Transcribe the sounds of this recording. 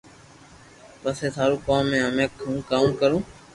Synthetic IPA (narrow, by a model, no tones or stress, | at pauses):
pəseːt̪ʰaːɾuːkoːmːẽːəmẽːkʰũːkaːmkəɾũː